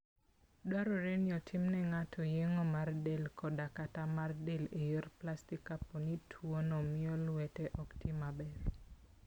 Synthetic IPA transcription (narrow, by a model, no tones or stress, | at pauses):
dwaɾɔɾenɪɔtʰɪmnɛŋatʰɔjeŋɔmardelkʰɔdakatamardelejerplastikapːɔnitʰwonɔmɪɔlwɛtɛʔɔktimabɛr